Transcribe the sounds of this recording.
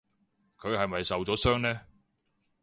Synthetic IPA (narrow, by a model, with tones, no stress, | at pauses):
kʰɵ˨˧ɥhɐ˨jmɐ˨jsɐ˨wt͡sɔː˨˥sœː˥ŋnɛː˥